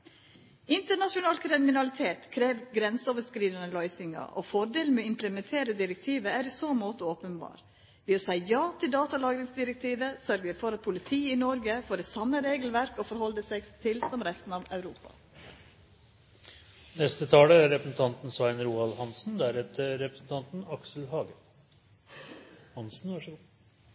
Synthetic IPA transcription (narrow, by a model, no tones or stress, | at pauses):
ɪnt̪əɳɑʃʊnɑːlkʰɾɪmɪnɑlɪt̪ʰeːt̪kʰɾeːʋɡɾɛnsoːʋəskɾiːd̪ənəlɔʏsɪŋɑ̰ʔo̰fɔɾɖeːlmeɪmpləmɛnt̪ʰeːɾəd̪ɪɾɛk̚t̪ʰiːʋəæːɾiːsoːmoːt̪əoːpənbɑ̰ːɾ | ʋɪːosæɪjɑːt̪ʰɪld̪ɑːt̪ɑlɑːɡɾɪŋsd̪ɪɾɛk̚t̪ʰiːʋəsœɾɡəɾfɔɾɑt̪̚pʰʊlɪt̪ʰiːɪnɔɾɡəfoːɾɛt̪sɑmːəɾeːɡəl̩ʋæɾkɔfɔɾhɔld̪əsɛɡt̪ʰɪlsɔmɾɛst̪n̩ɑːʋœʉɾṵːpɑ̰ | nɛst̪ət̪ʰɑːləæɾɾɛpɾəsn̩t̪ʰɑnt̪n̩sɑɪnɾuːɑlhɑnsn̩d̪æɾɛt̪əɾɛpɾəsn̩t̪ʰɑnt̪n̩ɑksl̩hɑːɡə | hɑnsn̩ʋɑʂ